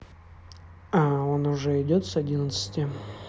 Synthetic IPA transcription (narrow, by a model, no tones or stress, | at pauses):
ao̞nʊʐɛɪdʲot̪sɐdʲinət̪sə̥tʲɪ